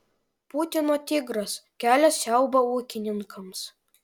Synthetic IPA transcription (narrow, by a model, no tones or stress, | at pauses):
put̪ʲɪnoːt̪ʲɪɡɾɐskʲæːlʲɛssʲæˑʊbɐuːkʲɪnʲɪŋkʰɐms